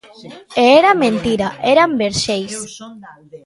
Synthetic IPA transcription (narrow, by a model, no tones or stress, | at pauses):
eeɾamẽnt̪iɾaʔeɾambeɾʃejs